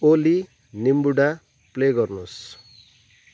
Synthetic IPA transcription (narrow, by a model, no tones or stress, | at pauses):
oli | nimbuɽa | pleɡʌrnos